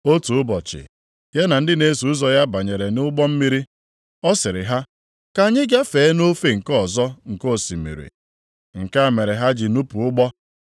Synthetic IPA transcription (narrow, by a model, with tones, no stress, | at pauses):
o˦tu˨ʊ˦bɔ˨t͡ʃɪ̰˨ | ja˦na˨n̩˦dɪ˦ne˦su˨˦zɔ˦ja˦ba˨ɲe˨ɾe˨nʊ˦ɡ͡bɔ˦m̩˦mi˦ɾi˦ | ɔ˦sɪ˨ɾɪ̰˨ɦa˦ | ka˨ɲɪ˦ɡa˦fe˨˦no˦fe˦ŋ̩˨kɔ˦˨zɔ˦ŋ̩˨ko˦˨si˨mḭ˨ɾḭ˨ | ŋ̩˨ka˦a˨me˨ɾe˨ɦa˦d͡ʒi˨nu˦pu˨ʊ˦ɡ͡bɔ˦